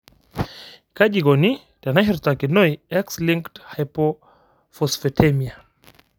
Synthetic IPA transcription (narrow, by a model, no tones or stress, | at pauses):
kaɟiɡɔni | d̥anaɦiɾt̪akinojɛksliŋkthajpo | fɔsfetʰɛmia